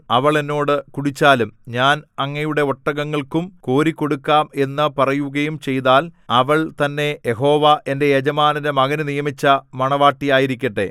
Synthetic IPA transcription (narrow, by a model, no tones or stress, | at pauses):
ɐʋɐɭenːo̞ːɽɨkuɽit͡ɕːaːlumɲaːnɐŋːɐjuɽe̞oʈːɐɣɐŋːɐɭkumko̞ːɾikʲːo̞ɽukːaːme̞nːɨpɐrɐjuɣɐjumt͡ɕe̞jt̪aːlɐʋɐɭt̪ɐnːe̞jeɦo̞ːʋɐʔe̞nde̞jed͡ʑɐmaːnidɐmɐɣɐnunijɐmit͡ɕːɐmɐɳɐʋaːʈːijaːjiɾikʲːɐʈːe̞̰